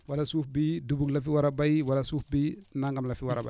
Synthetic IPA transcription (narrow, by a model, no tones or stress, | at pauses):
walasufbidubuŋlafiwaɾabajwalasufbinaŋɡamlafiwaɾa̰ba̰